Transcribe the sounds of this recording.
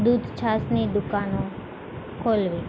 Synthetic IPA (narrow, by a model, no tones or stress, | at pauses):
d̪ud̪ʱt͡ʃʰasnid̪ʊkanõ | kʰolʋi